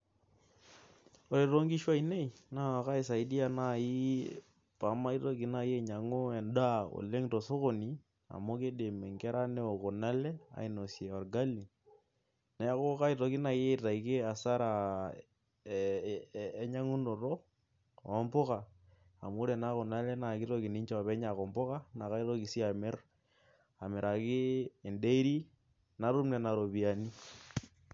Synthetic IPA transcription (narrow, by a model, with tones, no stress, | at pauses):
o˨ɾe˨ɾo˦ŋɡi˦ʃwa˦i˨ne˦i˨na˦a˨ka˦i˨sa˨i˦di˦a˦na˦˨ji˦ | pa˨˦ma˦i˦to˦ki˨na˦je˦˨ɲa˨ŋo˦ɛ˨nda˦o̰˨le˦ŋto˨so˦ko˨ni˨ | a̰˨mo˦ke˦de˨me˨ŋkɛ˦ɾa˦ne˦o˨ko˨na˦lɛ˦a̰˨i˨no˨sje˨a˨ɾɡa˦li˨ | nɛ˨˦ko˦ka˦i˨to˨ki˦na˨je˦˨ta˨i˨ke˦a˨sa˦ɾa˨˦ | ɲa˦ŋu˦no˨ro˦˨ | ɔ˦mpʊ˦ka˨ | a˨mʊ˦ɾe˨na˦kʊ˨na˦lɛ˦na˨kɪ˦ɾo˦ki˨ni˦ɲt͡ʃɔ˦˨pɛ˦ɲa˨kɔ˨mbʊ˦ka˦na˨ka˦i˦ɾo˦ki˨si˦a˨mɪ˦r | a˨mɪ˨ɾa˨kɪː˦˨nde˦i˦ɾi˦ | na˨˦ɾu˦mnɛ˨na˨ɾo˨bi˨a˨ni˦